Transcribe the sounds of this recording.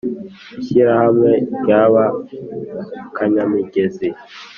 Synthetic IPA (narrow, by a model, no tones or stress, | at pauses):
iʃiɾahamwɛɟaβa | kaɲamiɡezi